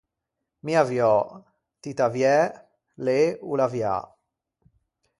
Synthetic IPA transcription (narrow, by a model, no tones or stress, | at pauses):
miavjɔ | t̪it̪avjɛ | leulavja̰